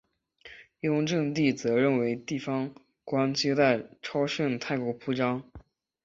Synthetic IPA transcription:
jʊ˥ŋʈ͡ʂɤ˥˧ŋt̪̬i˥˩t͡sɤ˧˥ɻə˥˩nwe˧˥ɪt̪i˥˩fɑ˧˥ŋ | kwa˥nt͡ɕi˥t̪a˥˩ɪʈ͡ʂʰɑ˥ʊɕɛ˥˩nt̪ʰa˥˩ɪkwɔ˧˥pʰu˥˩ʈ͡ʂɑ˥ŋ

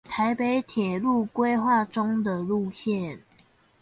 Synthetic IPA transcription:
t̪ʰa˨˦ɪpe˨˦ɪt̪ʰjɛ˨˩lu˥˨kwe˦ɪxwa˥˨ʈ͡ʂʊ˥˦ŋd̪ə˨lu˥˨ɕjɛ˥˨n

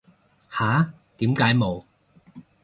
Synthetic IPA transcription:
haː˨˥ | t̪iː˨˥mkaː˨˥jmo˨˧w

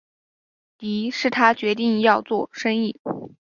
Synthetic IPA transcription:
t̪i˧˥ʂɻ̩˥˩t̪ʰa˥t͡ɕɥɛ˧˥t̪̬i˥˧ŋjɑ˥˧ʊt͡swɔ˥˩ʂɤ˥ŋi˥˩

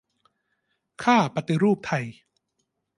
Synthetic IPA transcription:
kʰaː˥˩pa˧t̪i˧ɾuː˥˩p̚t̪ʰa˧j

